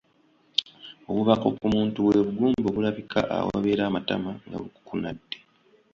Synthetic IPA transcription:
oβuβako̞̰kumuːntuwe̞βuɡuːmboɡulaβikʰa̰ʔa̰wo̰βeɾaːmatamaŋɡa̰βuku̥kunadːe̞

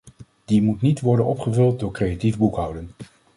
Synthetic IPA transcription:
d̥imutnitʋɔɹdənɔpχəvɵlˠt̚dʊːɹkrejativbukɦʌwdən

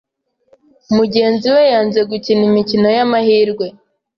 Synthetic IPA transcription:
umuɟe̞ːnziwe̞jaːnze̞ɡucinimicino̞jamahiːɾɡwe̞

